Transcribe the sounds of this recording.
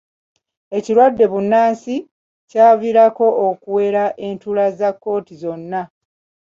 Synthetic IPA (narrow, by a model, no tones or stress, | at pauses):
e̞ciɾwadːe̞βunːaːnsi | caːviɾako̞okuwe̞ɾaʔe̞ntulazakːo̞ːtizo̞nːa